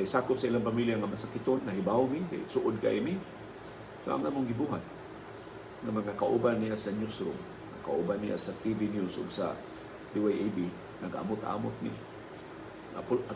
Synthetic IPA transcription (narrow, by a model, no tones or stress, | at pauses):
kajsaːkʊp̚saʔilaŋpamiljaŋamasakɪt̪ʊnːaɦibawmika̰sʊʔʊd̪̚ka̰ʔimi | so̰ʔa̰ŋʔamʊŋɡɪbuɦat̪̚ | ŋamaŋakaʔubanːijasaɲʊsɾʊ̰m | ŋa̰ka̰ʔubanːḭja̰sat̪ivinjusʔʊ̰ɡsa̰ | diwajʔabi | naɡa̰mʊt̪a̰ʔa̰ːmʊt̪̚mḭ | ŋa̰ʊ